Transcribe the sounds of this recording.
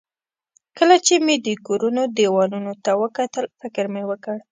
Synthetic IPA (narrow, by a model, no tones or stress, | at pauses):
kəlat͡ʃemed̪əkoɾunod̪ewɑnunot̪awəkat̪əlfɪkəɾmewəkəɽ